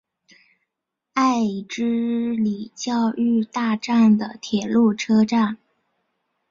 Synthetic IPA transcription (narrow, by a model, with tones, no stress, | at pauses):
a˥˩˧ɪʈ͡ʂɻ̩˥li˨˩t͡ɕjɑ˥˧ʊy˥˧t̪a˥˧ʈ͡ʂa˥˩nd̪ə˩t̪ʰjɛ˨˩lu˥˩ʈ͡ʂʰɤ˥ʈ͡ʂa˥˩n